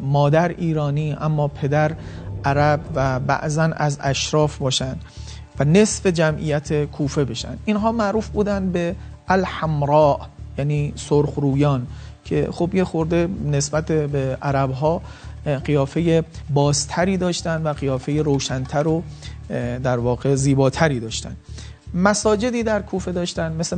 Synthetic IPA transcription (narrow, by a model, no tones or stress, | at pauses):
mɒːd̪æɾʔiːɾɒːniːʔæmːɒːpʰe̞d̪æɾʔæɾæbvæbæ̰ʔzænʔæzæʃɾɒːfbɒːʃænd̪ | væne̞sfe̞d͡ʒæmʔḭjæt̪ʰekʰuːfe̞be̞ʃæ̰nd̪ʔinɦɒːmæʔɾuːfbuːd̪ænd̪beʔælhæmɾɒːʔjæniːsoɾxɾuːjɒːncʰe̞̰xobjexoɾd̪e̞ne̞sbæt̪ʰebeʔæɾæbɦɒː | ɢijɒːfe̞jebɒːzt̪ʰæɾiːd̪ɒːʃt̪ænd̪væɣijɒːfe̞jeɾoːʃænt̪ʰæɾo | d̪æɾvɒːɣe̞ziːbɒːt̪ʰæɾiːd̪ɒːʃt̪æ̰nd̪ | mæsɒːd͡ʒe̞d̪iːd̪æɾkʰuːfe̞d̪ɒːʃt̪ænmese